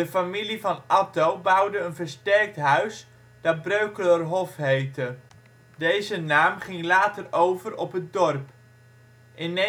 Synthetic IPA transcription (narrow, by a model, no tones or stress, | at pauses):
əfamilivɑnʔɑtowbɑwdəənvəɹstɛɹk̚tɦœɥs | d̥ɑbrøɥkələrɦɔfɦejtə | dejzənaːmχɪŋlaːtərowvərɔ̰pɦətdɔrp | ʔɪne